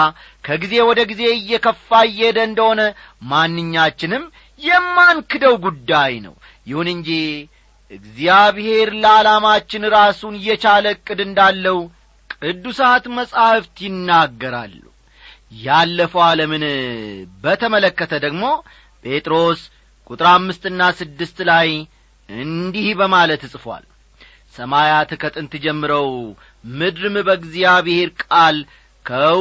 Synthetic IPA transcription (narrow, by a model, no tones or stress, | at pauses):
kʰəɡize̞wɔd̪əɡize̞ɨjːɛkʰəfːaɨjːɛd̪əɨnd̪əho̞nəmanːɨɲːat͡ʃːɪnɨm | jɛmːankɨd̪əwɡud̪ːajnə̰w | jɪhunɨnd͡ʒi | ʔɨɡzijaβhe̞ɾləalamat͡ʃːɪnɾasunɨjːɛt͡ʃaləkʼːɨd̪ɨnd̪alːəhu | kʼɨd̪ːusat̪məsʼahft̪jɪnːaɡːəɾa̰lːṵ | jalːəfəwaləmɨn | bət̪ʰəmələkːət̪ʰəd̪əɡmo̞ | pʰʼe̞t̪ʼɾo̞s | kʼut̪ʼɾamːɨst̪ɨnːasɨd̪ːɨst̪laj | ɨnd̪ihbəmalət̪ːɨsʼfwa̰l | səmajat̪ʰɨkʰət̪ʼɨnt̪ʰɨd͡ʒɛmːɨɾəw | mɨd̪ɾɨmbəɡziaβɪhe̞ɾkʼal | kʰə